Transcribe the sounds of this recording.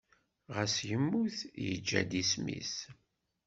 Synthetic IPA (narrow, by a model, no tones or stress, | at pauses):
ʁəsjəmːuθjə̰d͡ʒːæd̪ismḭs